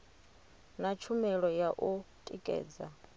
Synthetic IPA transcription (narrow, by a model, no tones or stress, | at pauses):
nat͡ʃʰumɛɺɔjaʔutʼikʼɛ̰ːd͡za